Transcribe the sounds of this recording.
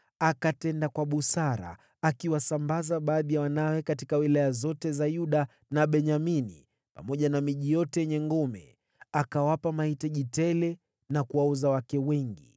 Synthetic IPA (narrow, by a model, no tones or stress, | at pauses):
akatɛndakwaɓusaɾa̰ | akiwasambazaɓaːðijawanawɛkatikawilajazɔtɛzajuɗa | naɓɛɲamini | pa̰mɔʄanamiʄijɔtɛjɛɲɛŋɡɔmɛ̰ | akawapamaitaʄitɛlɛ | nakuwauzawakɛwɛŋɡi